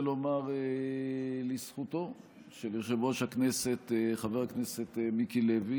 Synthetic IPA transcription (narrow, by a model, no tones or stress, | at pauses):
lomaʁe | lisχuto̞ | ʃeliʁʃevoʃhakneset̪χaveʁakneset̪mikilevi